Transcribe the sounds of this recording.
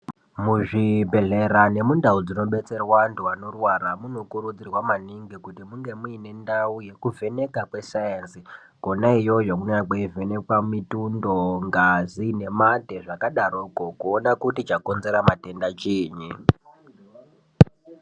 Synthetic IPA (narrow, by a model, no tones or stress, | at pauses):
muʐibʱe̞ɮe̞ɾane̞mundaud͡zino̞ɓe̞t͡se̞rwanduano̞rwaɾamuno̞kuɾud͡zirwamaniŋɡikutimuŋɡe̞muine̞ndauje̞kuvʱe̞ne̞kakwe̞sajensi | ɡ̥o̞naijo̞ʐakuneakweive̞nekwamitundo̞ŋɡazine̞mate̞ʐakaɗaɾokokuonakutit͡ʃako̞nze̞ɾamate̞ndat͡ʃiːɲi